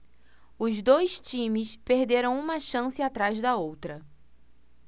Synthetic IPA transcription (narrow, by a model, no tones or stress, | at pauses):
ʊzd̪ojʃt͡ʃĩmɪspehd̪eɾɐ̃w̃ũmɐʃɐ̃sɪat̪ɾajzd̪ɐowt̪ɾɐ